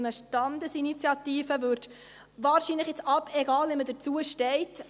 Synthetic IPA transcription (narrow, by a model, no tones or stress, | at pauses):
nəʃtɑnd̪əsinit͡sjɑtiːfəvøɾt | vɑːɾʃinləχɪt͡sɑpɛɡɑːlimədəɾt͡suəʃtɛɪt